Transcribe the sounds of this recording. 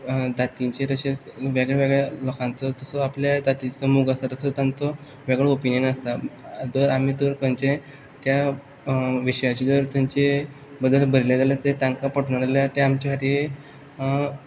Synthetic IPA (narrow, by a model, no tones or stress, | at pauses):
d̪at̪ĩɲt͡ɕeɾəɕet͡sʋeɡɭeʋeɡɭelɔkãnt͡sɔt̪əsɔapljad̪at̪it͡sɔmuɡast̪at̪əsɔt̪jãnt͡sɔ | ʋɛɡɭeopinjənast̪ad̪əɾamit̪əɾkənt͡ɕẽ | t̪ja | ʋiɕəjat͡ɕid̪əɾt̪jaɲt͡ɕe | bəd̪əlbʱəɾled͡zalat̪et̪ãŋkapəʈɳad͡zaljat̪eamt͡ɕaɦaɾie